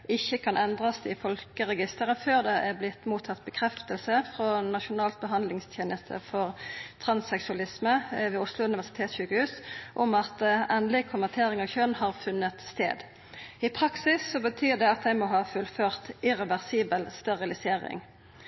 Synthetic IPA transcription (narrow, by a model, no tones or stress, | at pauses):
ɪçːəkʰɑnʔɛnd̪ʁɑsd̪ɪfɔlkəʁɛɡɪst̪əʁəføːʁd̪ɛʔæʁblɪt̪muːt̪ʰɑt̪̚bəkʰʁɛft̪əlsəfʁɔnɑʃʊnɑːlt̪̚bəɦɑnd̪lɪŋst̪ʰjeːnəst̪ʰə̰fɔʁt̪ʰʁɑnsɛksʉɑlɪsməʋiːʊslʊʉnɪʋæʁsɪt̪ʰeːt̪sɕʉːkəhʉːsʔɔmɑt̪ɛːnlɪkʰʊmmət̪ʰeːʁɪŋɑʋçœnhɑːʁfʉnːət̪st̪ḛːd̪ | ɪpʰʁɑksɪsːɔbət̪ʰyːʁd̪ɛɑt̪̚d̪æɪmɔɦɑːfʉlføːʁt̪ɪʁɛʋæʁsiːbəlst̪ɛʁɪlɪseːʁɪ̰ŋ